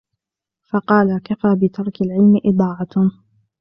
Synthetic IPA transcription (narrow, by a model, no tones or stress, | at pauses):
fɑqɑːlakafaːbɪt̪ʰɑɾˤkalʕɪlmɪʔɪd̪ˤɑːʕɑt̪